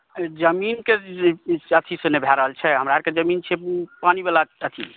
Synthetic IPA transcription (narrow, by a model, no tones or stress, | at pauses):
d͡ʒəminke | ət̪ʰisonebʱaɾəɦəlt͡ʃʰɛɦəmɾaɦeɾked͡ʒəmint͡ʃʰepanibalaət̪ʰḭ